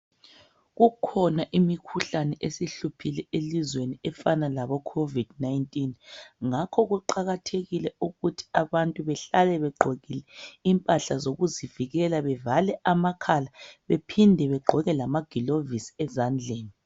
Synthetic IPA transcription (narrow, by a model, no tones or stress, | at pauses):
ɣukʰɔnaʔimikʰuɬanɛʔesiɬupʰilɛelizweniɛfanalaβɔkʰovid̥najntʼinŋakʰɔɣuǃaɣatʰeɣilɛuɣutʰi̥aβantʼuβɛɬalɛβɛɡ͡ǃʱɔɣilɛimpʼaɬazoɣuziviɣɛlaβɛvalɛʔamakʰalaβepʰindʱɛβɛɡ͡ǃʱɔɣɛlamaɡ̥ʱilovisi̥ɛzand͡ɮʱeːni